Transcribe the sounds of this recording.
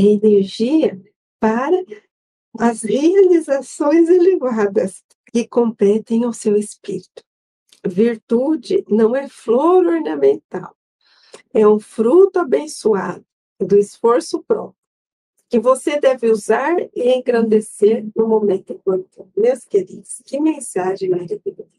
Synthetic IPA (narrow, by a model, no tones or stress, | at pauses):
eneɾʒiɐ | paɾɐ | ɐzhealizasõj̃zelevad̪ɐs | kɪkõmpɛt̪ẽj̃ʊwsewɪspiɾit̪ʊ̥ | viɾt̪ud͡ʒɪnɐ̃w̃ɛfloɾoɾnɐ̃mẽnt̪a̰w | ɛũfɾut̪ʊabẽsuad̪ʊ | d̪ʊɪsfoɾsʊpɾɔ̰pɾjʊ | kɪvosed̪ɛvɪuzaɾɪẽj̃ɡɾɐ̃nd̪eseɾnʊmõmẽnt̪ʊẽkwɐ̃nt̪ʊmewskeɾid̪ʊskɪmẽsaʒẽj̃ɛdid̪ei